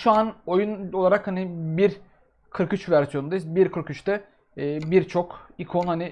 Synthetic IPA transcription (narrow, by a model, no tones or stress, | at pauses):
ʃuanojuno̞lˠaɾakhanibiɾ | kʰɯɾkyt͡ʃvæɾsijo̞nund̪ajsbiɾkʰɯɾkyt͡ʃt̪ɛː | biɾt͡ʃʰo̞kikʰonhanɪ